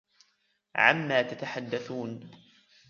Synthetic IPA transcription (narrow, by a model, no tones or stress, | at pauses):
ʕa̰mːaːt̪at̪aħad̪ːaθuːn